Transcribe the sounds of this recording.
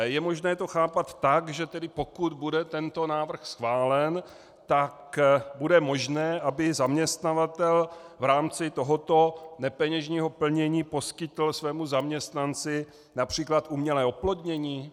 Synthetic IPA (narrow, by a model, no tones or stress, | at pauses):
jɛmo̞ʒnɛːt̪o̞xaːpat̪ːakʒɛt̪ɛdɪpo̞kud̪budɛt̪ɛnt̪o̞naːvr̩xsxvaːlɛn | t̪akbudɛmo̞ʒnɛːʔabɪzamɲɛst̪navat̪ɛlvɾaːmt͡sɪt̪o̞ɦo̞t̪onɛpɛɲɛʒɲiːɦo̞pl̩ɲɛɲiːpo̞skɪt̪l̩svɛːmuzamɲɛst̪nant͡sɪ | napr̥iːklat̪ʔumɲɛlɛːoplo̞d̪ɲɛɲiː